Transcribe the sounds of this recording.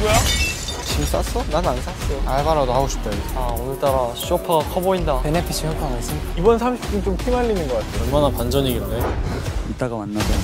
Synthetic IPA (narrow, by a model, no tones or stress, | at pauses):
ɡoja | t͡ɕims͈a̰s͈ʰʌnanans͈as͈ejoaɭbaɾʌdɦaɡoɕʰi̥p̚t͈aaonɯt͈aɾaɕʰiopʰakʰʌboindaenepʰet͡ɕʰimjʌk͈ʰamans͈ɯmidaibʌnsʰamɕʰi̥p̚t͈unt͡ɕomkʰimaʎːinɯnɡʌk͈atʰejʌɭmanapand͡ʑʌɲiɡindeit͈aɡamanːad͡ʑen